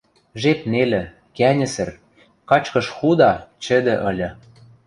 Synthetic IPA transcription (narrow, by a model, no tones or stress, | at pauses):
ʒep̚nelʲɘ̆ | kænʲɘ̆sɘ̆r | kɑt͡ɕkɤ̆ʃxud̪ɑt͡ɕɘ̆d̪ĕʔɤ̆lʲɤ̆